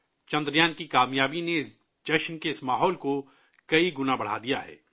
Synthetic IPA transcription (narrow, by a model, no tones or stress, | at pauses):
t͡ʃɐ̃nd̪ɾjaːnkikaːmjaːbine | d͡ʒɐʃnkeɪsmaːɦɔːlko | kɐiɡʊnabɐɽ̤a̰d̪ijaɦɛ̰ː